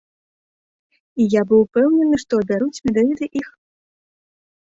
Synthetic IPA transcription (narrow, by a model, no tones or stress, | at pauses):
ijabɨwpɛwnʲɛnɨʂt̪ɔɐbʲaɾut͡sʲmʲɛd̪avʲit̪ɨʔix